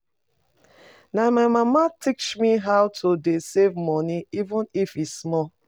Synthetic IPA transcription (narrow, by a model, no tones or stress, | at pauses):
namaɪmamatʰikt͡ʃmiɦawtʰudesevmɔniivə̃nifismɔ